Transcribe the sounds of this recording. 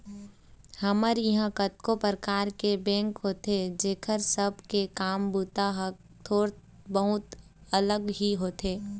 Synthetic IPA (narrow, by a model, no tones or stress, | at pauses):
hɐməɾjɐɦãkət̪kopɾəkaːɾkebɛ̃ːŋkɦoːt̪ed͡ʒeːkʰəɾsəb̚ʱkekaːmbuːt̪aɦk̚ | t̪ʰoːɾt̪ | bəɦʊt̪ | ələɡɦiɦoːt̪eː